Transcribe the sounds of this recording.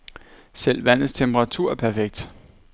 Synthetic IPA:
sel̰ʋæn̰ð̩ˠst͡sʰemb̥ʁɑ̈t͡sʰuɐ̰æpʰæɐfeɡ̥̚d̥

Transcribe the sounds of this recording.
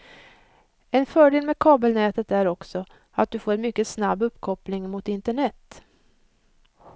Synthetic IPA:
ɛnfœːɖeːlmɛːkʰɑːbəlnɛːt̪ət̪æɾɔksɔ | at̪̚d̪ɵfoːɾɛnmʏkːəsnabːɵpːkʰɔplɪŋmʊt̪ɪnt̪əɳɛt̪ː

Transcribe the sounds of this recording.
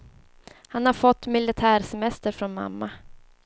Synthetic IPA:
hanhaɾfɔt̪ːmɪlɪt̪ʰæːɾsɛmɛst̪əɾfɾɔnma̰mːa

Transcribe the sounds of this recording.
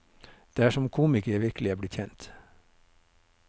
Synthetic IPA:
d̪̥eːæːʃɔmkʰuːmɪkəʋɪɾklɪæːblɪt̪çɛnt̪

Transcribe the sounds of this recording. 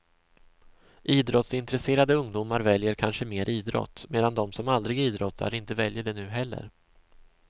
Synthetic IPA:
ʔiːd̪ɾɔt̪sɪnt̪ɾɛseːɾad̪əɵŋd̪uːmaɾvɛljəɾkʰanʂəmeːɾʔiːd̪ɾɔ̰t̪ːmeːd̪and̪ɔmsɔmald̪ɾɪɡiːd̪ɾɔt̪ʰːa̰ɾɪnt̪əvɛljəɖɛnʉ̟ːɦɛlːə̰ɾ

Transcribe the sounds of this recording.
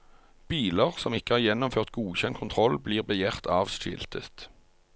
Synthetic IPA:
b̥iːləʁsɔmɪkəhɑːʁjɛnʊmføːʁt̪̚ɡuːçɛnkʰʊnt̪ʰʁɔlbliːʁbəjæːʁt̪ʰɑːʋʃɪ̰lt̪ʰət̪

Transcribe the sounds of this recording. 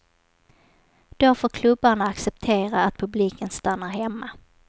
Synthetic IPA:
d̪̥ofoːɾkʰlɵbːaɳaaksɛpt̪ʰeːɾaːt̪̚pʰɵbliːkənst̪anːaɾɦɛmːa

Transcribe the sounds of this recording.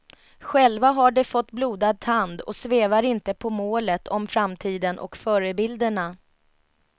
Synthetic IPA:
ɧɛlvaɦaɖɛfɔt̪ːbluːd̪ad̪̚t̪ʰand̪ɔ̰sveːvaɾɪnt̪əpʰɔmoːlət̪ʰɔmfɾamt̪ʰiːd̪ənʔɔ̰kfœːɾəbɪld̪əɳa

